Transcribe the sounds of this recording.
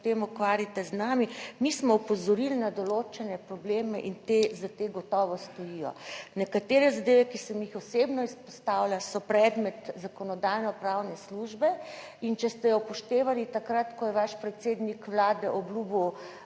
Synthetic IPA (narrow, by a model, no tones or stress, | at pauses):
t̪emukʋaːɾjit̪ɛznaːmimismɔupɔzɔɾilnad̪ɔloːt͡ʃɛnɛpɾɔbleːmɛʔint̪ezat̪eɡɔt̪ɔʋɔst̪ɔjijɔ̰nɛkat̪eːɾɛzad̪eːʋɛkisɛmjixɔsebnɔispɔst̪awlʲasɔpɾɛd̪mɛt̪zakɔnɔd̪ajnɔpɾawnɛsluʒbɛ | int͡ʃɛst̪ɛjɔpɔʃt̪eːʋalit̪akɾat̪kɔjɛʋaʃpɾɛt̪seːd̪nikʋlaːd̪ɛʔɔblubu